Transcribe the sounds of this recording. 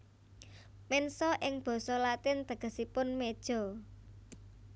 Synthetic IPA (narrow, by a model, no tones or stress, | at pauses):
mɛnsɔʔɪŋb̥ɔ̤sɔlat̪ɪnt̪əɡ̥ə̤sipʊnmed̥ʒ̥ɔ̤